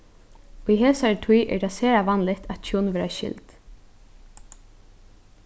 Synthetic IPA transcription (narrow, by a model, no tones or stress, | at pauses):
ujɦeːsaɹt̪ʰʊjʔɛ̰ɹt̪ʰasɛːɹaʋanlɪt̪at̪t͡ʃʰunʋɛːɾaʃɪ̰lt̪